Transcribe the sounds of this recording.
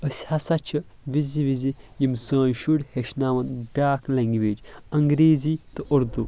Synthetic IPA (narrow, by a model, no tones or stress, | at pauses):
əsʲhɐsɐt͡ʃʰi | ʋiziʋizijimsɐ̃ːnʃuɽʲheʃnaːʋɐnbʲaːklɐŋɡiʋeːd͡ʒɐŋɡɾeːzit̪ɨʔɐɾd̪u